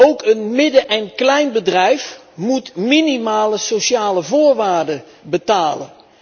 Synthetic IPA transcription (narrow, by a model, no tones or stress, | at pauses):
owkənmɪdəʔɛnklɛjnbədrɛjf | mutminimaːləsoʃaːləvʊːɹʋaːɹdə | bətaːlə̰n